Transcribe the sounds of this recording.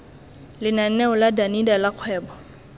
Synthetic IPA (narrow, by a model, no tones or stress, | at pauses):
lɪnan̩nɛʊladanidalaq͡χʰwɛːbɔ